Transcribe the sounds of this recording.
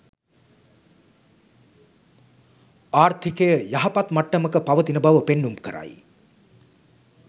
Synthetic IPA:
aːrt̪ʰikejəjaɦɐpat̪maʈːəməkəpaʋət̪inəbaʋəpenːumkəɾa̰j

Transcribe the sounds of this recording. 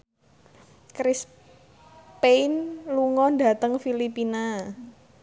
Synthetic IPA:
kɾɪs | penluŋɔɳda̤t̪əŋfilipina

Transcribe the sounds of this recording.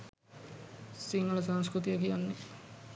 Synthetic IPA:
siŋɡulɐs̬ɐnskɾut̪ijɐkiɐnːi

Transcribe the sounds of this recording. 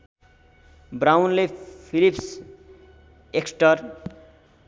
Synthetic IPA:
brawnlepʰilips | eksʈʌr

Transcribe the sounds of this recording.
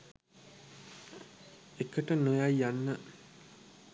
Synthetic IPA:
ekəʈənojajjanːə

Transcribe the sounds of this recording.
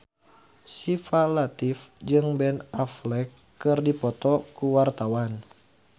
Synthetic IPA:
sifalat̪ifd͡ʒɨŋbɛnaflɛkːɨrdipɔt̪ɔkuwart̪awan

